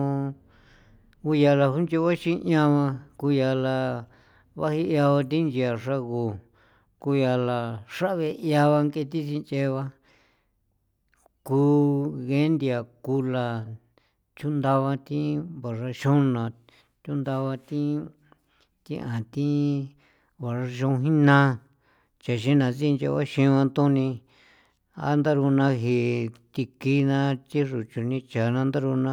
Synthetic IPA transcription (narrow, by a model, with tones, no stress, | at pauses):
u˧ja˧la˧hu˦nt͡ʃi˧βa˦ʃĩ˦ʔã˧βã˧ku˧ja˧la˧ | βa̰˦hi˧ja˧βa˧t̪̬ĩ˦nd͡ʒi˧a˨ʂa˦ɣu˧ | ku˧ja˧la˨ʂa˦ʔβe˧ja˧βa˧ŋke˧t̪i˦t͡ʃĩ˧nt͡ʃe˧βa˧ | ku˧ɣe˦nd̪i˧a˨ku˧la˧ | t͡ʃu˦nd̪a˧βa˧t̪ĩ˦βa˨ʐa˧ʃũ˦nã˨ | t͡ʃ̪ʲu˦nd̪a˧βa˧t̪ĩ˦ | t̪ĩ˦ʔã˨t̪ĩ˦ | βa˨ʐa˧ʃ̬õ˧ɦĩ˦nã˦ | t͡ʃa˨ʃĩ˦nã˨t͡si˦˧nt͡ʃḛ˧βa˦ʃĩ˧ã˧t̪ũ˦nĩ˧ | a̰˦nd̪a˦ɾu˧nã˧ɦi˨t̪i˧ki˦nã˦t͡ʃĩ˦ʐu˨t͡ʃu˧nĩ˧t͡ʃa˨nã˧nd̪a˦ɾu˧nã˦˧